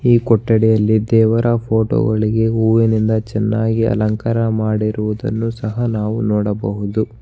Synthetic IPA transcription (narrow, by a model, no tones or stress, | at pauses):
iːkɔʈːɐɽɛjɐlːid̪ɛːʋɐɾɐpʰo̞ːʈo̰ːɡɐɭiɡe̞uːʋinind̪ɐt͡ʃɛnːaːɡiɐ̰lɐŋkɐɾɐmaːɽiɾuʋud̪ɐ̰nːusɐɦɐnaːʋunɔːɽɐbɐɦud̪u